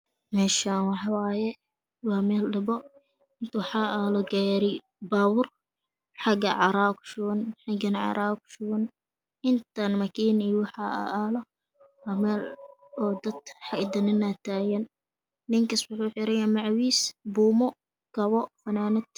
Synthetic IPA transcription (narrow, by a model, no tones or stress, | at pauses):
mɛːʃanwɑħɑwaːjɛ | wɑːmɛːlɖɐbɔ | ɪnt̪ʰʊħɑʔaːlɔɡaɾɪ | baːwʊr | ħɑɡɐ̰ʕɑɾaːkʊ̥ʃʊwɐnħɑɡɐnʕɑ̰ɾʔaːkʊ̥ʃʊwɐn | ʔɪnt̪ʰanmɐkʰiːniwħɑʔa̰ʔaːlɔ | wɑːmɛːlɔːd̪ɐd̪ħɑɪd̪ɐnɪnat̪ʰaːjɐnː | ɪŋkɐswʊħuːħɪɾɐjaːmɑʕwiːsbuːmɔ | ɡ̥ɐβɔfɐnaːnɐd̪